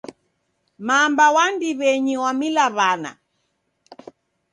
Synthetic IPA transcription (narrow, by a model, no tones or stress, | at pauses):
mambawandiβɛɲiwamilaβana̰